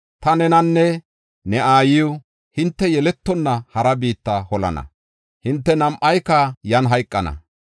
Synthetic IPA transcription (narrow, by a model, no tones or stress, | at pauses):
t̪ɐnɛnɐnːɛ | nɛaːjɪjʊ | hɪnt̪ːɛjɛlɛt̪ːɔnːɐhɐɾɐbiːt̪ːɐhɔlɐ̰nɐ̰ | hɪnt̪ːɛnɐmʔɐjkɐjɐnɦɐjkʼːɐnɐ̰